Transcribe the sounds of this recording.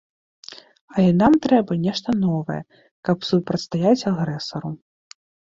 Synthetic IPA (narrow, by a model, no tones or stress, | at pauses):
ɐlʲɛnamt̪ɾɛbɐnʲɛʂt̪ɐnɔvɐ̰jɛ̰ | kɐpsupɾɐt̪st̪ajat͡sʲaɣɾɛsɐɾu